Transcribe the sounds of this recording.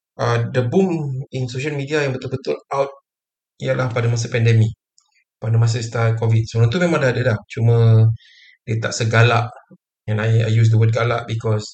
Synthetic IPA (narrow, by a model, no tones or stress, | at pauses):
ʔədəbuminsoʃ̬almidiajaŋbət̪ulbət̪ulawt̪̚ | ijalahpadamas̬apɛndɛmi | padamas̬ast̪akɔvit̚səbəlũt̪umemãŋdaadalaht͡ʃumə̃ | diət̪a̰ʔsəɡalaʔ | ɛ̃naja̰jjus̬dəwəd̚ɡalaʔbikɔs